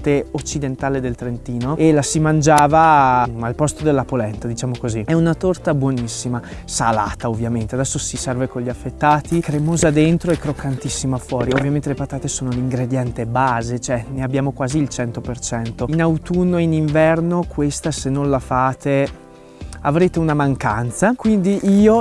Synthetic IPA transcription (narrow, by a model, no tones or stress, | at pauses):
t̪eot͡ʃːid̪ent̪aːled̪elt̪ɾent̪iːnoelasimand͡ʒaːvaalpɔst̪od̪elːapolɛnt̪ad̪it͡ʃaːmokoziɛunat̪ort̪abwɔnisːimasa̰la̰ːt̪aovːjament̪ead̪ɛsːosisɛrvekoʎiafːet̪ːaːt̪ikɾemoːzad̪ent̪ɾoɛkːɾokːant̪isːimafwɔːɾiovːjament̪elepat̪aːt̪esoːnoliŋɡɾed̪jɛnt̪ebaːzet͡ʃoɛneabːjaːmokwaːziːlt͡ʃɛnt̪opert͡ʃɛnt̪oinawt̪unːoeiniɱvɛrnokwest̪asenːõnlafaːt̪e | a̰vɾeːt̪eunamaŋka̰nt̪sakwind̪iʔiːo